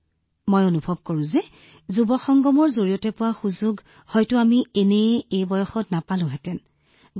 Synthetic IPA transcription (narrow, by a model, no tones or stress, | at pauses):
mojonubʱɔb̚koɹʊ̃zɛ | zubɔxɔŋɡɔmɔɹzoɹijɔtɛpʊwaxuzuɡ | hɔjtʊamienɛejbɔjɔxɔtnapalʊ̃ɦɛtɛn